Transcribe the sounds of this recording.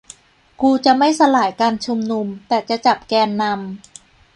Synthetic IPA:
kuː˧t͡ɕa˨˩ma˥˩jsa˧laː˩˦jkaː˧nt͡ɕʰu˧mnu˧mt̪ɛː˨˩t͡ɕa˨˩t͡ɕa˨˩p̚kɛː˧nːa˧m

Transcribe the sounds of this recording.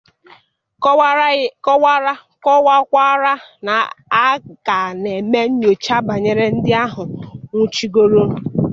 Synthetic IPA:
wa˦ɾa˦ | kɔ˦wa˦kʷa˦ɾa˦na˨a˦ɡa˨ne˨me˦n̩˦ɲo˨t͡ʃa˦ba˨ɲe˨ɾe˦n̩˦dɪ˦a˦ɦʊ˨ŋʷu˦t͡ʃi˦ɡo˦ɾo˦˨

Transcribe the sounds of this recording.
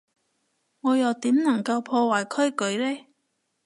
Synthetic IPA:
ŋɔː˨˧jɐ˨˩wt̪iː˨˥mnɐ˨˩ŋkɐ˧wpʰɔː˧waː˨˩jkʰɵ˥ɥkɵ˨˥ɥlɛː˥

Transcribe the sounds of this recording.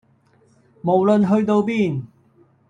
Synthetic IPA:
mo˨˩wlɵ˧nɦɵ˧ɥt̪o˧wpiː˥˩˨n

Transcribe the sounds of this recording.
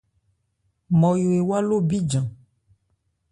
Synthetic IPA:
mɔ̃˨jo˨e˨wa˦lo˦bi˦d͡ʒã˨

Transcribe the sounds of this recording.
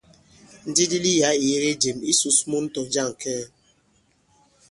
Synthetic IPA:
n̩˦di˦di˦li˦ja˨˦i˨je˦ɾe˦d͡ʒe˨mi˦su˦smu˦n̩˦tɔ˨n̩˦d͡ʒa˦˨ŋ˨kɛ˦˨

